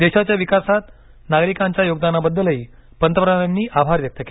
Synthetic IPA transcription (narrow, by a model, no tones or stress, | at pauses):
d̪eɕat͡ɕjaʋikasat̪ | naɡɾikãɲt͡ɕjajoɡ̚d̪anabəd̪ːələɦi | pənt̪əpɾaanːiːʔabʱaɾʋjək̚t̪əke